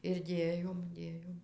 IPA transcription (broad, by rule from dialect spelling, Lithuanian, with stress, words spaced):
ɪr ˈdʲeːjoːm ˈdʲeːjoːm